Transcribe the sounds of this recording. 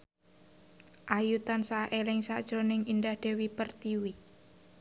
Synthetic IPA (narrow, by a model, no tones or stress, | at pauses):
ʔajut̪ansaʔelɪŋsa̰d̥ʒ̥ɾonɪŋind̪ahd̪̥e̤wipərt̪iwi